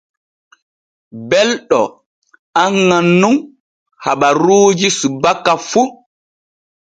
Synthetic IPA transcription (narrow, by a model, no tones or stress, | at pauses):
bɛlɗɔ̰ | aŋːanːum | haɓaɾuːd͡ʒisubakːafu